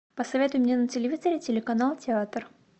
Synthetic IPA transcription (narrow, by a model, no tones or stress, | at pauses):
pəsɐvʲet̪ʊjʊmnʲenətʲɪlʲɪvʲizəɾʲɪtʲɪlʲɪkɐnalˠtʲɪat̪r